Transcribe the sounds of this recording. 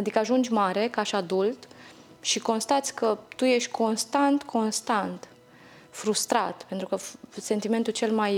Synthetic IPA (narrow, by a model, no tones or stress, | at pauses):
ad̪ikəaʒund͡ʒʲmaɾe̞kaʃad̪ult̪ | ʃiko̞nst̪at̪sʲkət̪uje̞ʃt̪ʲkʰo̞nst̪ant̪kʰo̞nst̪ant̪ | fɾust̪ɾat̪pe̞nt̪ɾukəse̞nt̪ime̞nt̪ut͡ʃe̞lmaj